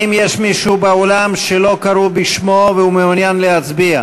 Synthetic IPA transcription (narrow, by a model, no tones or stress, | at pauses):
imjeʃmiʃubeolamʃelo̞kaɾubiʃmoveumeunjanleat͡sbia